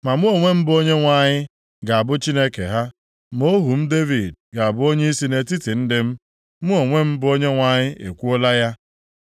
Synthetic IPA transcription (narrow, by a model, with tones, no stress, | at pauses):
ma˨mʊ˦o˨ŋʷe˦m̩˦bo˦ɲe˦ŋʷa˦ɲɪ˦ | ɡa˨a˨bʊ˦t͡ʃi˦ne˦kḛ˨ɦa˦ | m˦o˦ɦu˨m̩˦de˦vi˨d̚ɡa˨a˨bʊ˦o˦ɲe˦i˦si˦ne˦ti˦ti˨n̩˦dɪ˦m̩˦ | mu˦o˨ŋʷe˦m̩˦bʊ˦o˦ɲe˦ŋʷa˦ɲɪ˦e˨kʷu˦o˦la˦ja˦